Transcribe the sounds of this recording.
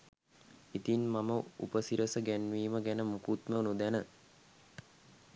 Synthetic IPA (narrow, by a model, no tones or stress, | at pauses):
it̪inmaməṵpəsiɾəsəɡænʋiːməɡænəmukut̪mənud̪ænə